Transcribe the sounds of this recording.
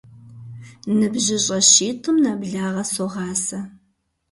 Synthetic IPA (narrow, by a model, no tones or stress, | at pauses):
nɨbʑɪɕʼɐɕiːtʰɨmnabɮaːʁɐsoʁɑːsɐ